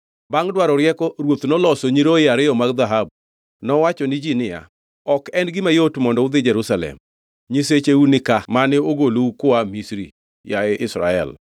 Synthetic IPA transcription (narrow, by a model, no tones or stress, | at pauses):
baŋdwaɾɔɾjɛkɔɾwot̪nɔlɔsoɲiɾoɪaɾɪjɔmaɡd̪aɦab̚ | nɔwat͡ʃɔnɪd͡ʒinɪja̰ | ɔkɛnɡɪmajotmɔndɔʊd̪ɪd͡ʒɛɾusalɛ̰m | ɲiset͡ʃeunɪkamanɛoɡoloukʊamisɾḭ | jaeʔɪsɾa̰ɛ̰l